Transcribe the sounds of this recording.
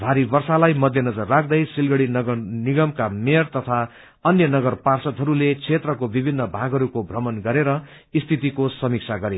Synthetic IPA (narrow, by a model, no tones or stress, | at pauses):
bʱaɾibʌrsalajmʌd̪ʱjʌnʌd͡zʌrːak̚ʰd̪ʌjsilɡʌɽiniɡʌmkamert̪ʌt̪ʰa | ʌnjʌnʌɡʌrparsʌt̪ɦʌɾulet͡sʰet̪rʌkobibʱinːʌbʱaɡɦʌɾukobʱrʌmʌnɡʌɾeɾʌ | ist̪ʰit̪ikosʌmik̚t͡sʰaɡʌɾe